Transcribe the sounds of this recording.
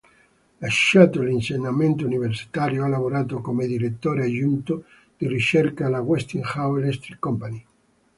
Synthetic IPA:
laʃːat̪olinseɲːament̪ouniversi̥t̪aɾjoalavoɾaːt̪̬okomed̪iɾet̪ːoːɾead͡ʒunt̪o | d̪̥irit͡ʃerkalaɣwɛst̪iŋxawelest̪ɾikːɔmpani

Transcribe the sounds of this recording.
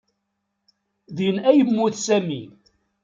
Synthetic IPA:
ðinæjəmːuθsæmi

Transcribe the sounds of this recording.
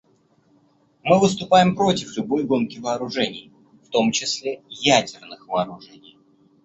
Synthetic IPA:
mɨvɨst̪ʊpajɪmpɾo̞tʲɪflʲʊbo̞jɡo̞nkʲɪvəːɾʊʐɛnʲɪj | ft̪o̞mt͡ɕɪsʲlʲejædʲɪrnɨxvəːɾʊʐɛnʲɪj

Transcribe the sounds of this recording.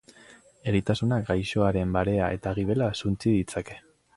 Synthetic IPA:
e̞ɾit̪asunak̚ɡajʃo̞aɾe̞mbaɾe̞ae̞t̪aɣ̞iβ̞e̞lasunt͡siðit͡sake̞̥

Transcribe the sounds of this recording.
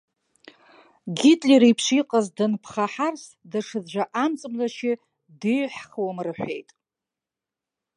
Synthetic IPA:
ɡʲitʼleɾijpʰʃiqʼazdɨnpʰχaħarsdaʂɨzʒʷaʔamt͡sʼɨmlaʃɪ | dɨjħχwamrɨħᶣʷe̞jtʼ

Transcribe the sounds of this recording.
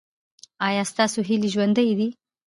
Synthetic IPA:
ɑjɑst̪ɑsoɦiliʒwand̪əjd̪i

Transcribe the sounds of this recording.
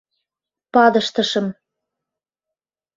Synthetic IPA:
pɑd̪ɤʃt̪ɤ̆ʃɤ̆m

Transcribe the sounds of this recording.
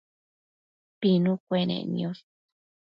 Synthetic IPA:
pinũkʷenḛnjos

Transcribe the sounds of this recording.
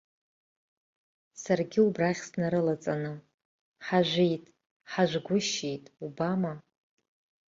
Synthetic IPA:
sarɡʲɪubraχʲsnaɾɨlat͡sʼanɨ | ħaʒʷejtʼ | ħaʒʷɡʷʊʃejtʼubama

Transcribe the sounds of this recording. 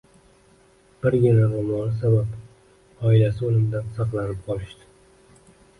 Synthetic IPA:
b̥ɪɾɡʲɪnaɾɒmɒnɪsabap | ɒɪlasɪolɪmd̪ansɑqlanɪp̚qʰɒlˠɪʃt̪ɪ̥

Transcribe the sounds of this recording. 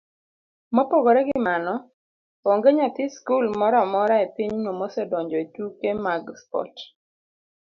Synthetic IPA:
mɔpoɡɔɾɛɡɪmanɔ | oŋɡeɲat̪iskulmɔɾɔmɔɾaepɪɲnomɔsɛdɔɲd͡ʒɔitukemaɡspɔ̰t

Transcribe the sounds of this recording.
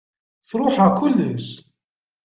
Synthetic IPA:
θɾˤʊħakulːəs

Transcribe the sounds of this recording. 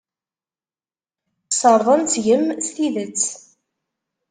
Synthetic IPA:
səɾˤðˤənt͡sʝəmst̪iðət͡sː

